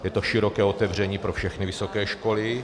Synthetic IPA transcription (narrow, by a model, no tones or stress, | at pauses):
jɛt̪oʃɪɾokɛːot̪ɛvr̝ɛɲiːpɾofʃɛxnɪvɪso̞kɛːʃkolɪ